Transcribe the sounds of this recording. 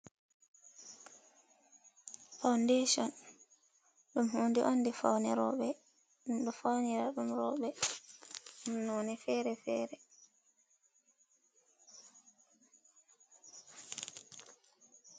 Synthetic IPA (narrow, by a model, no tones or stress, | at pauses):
fawndeʃɔn | ɗumhuːndiʔonːdifa̰wnɛɾɔɓɛ | ɗumɗɔfawniɾaɗumɾɔɓɛ | unɔnɛfɛːɾɛfɛːɾɛ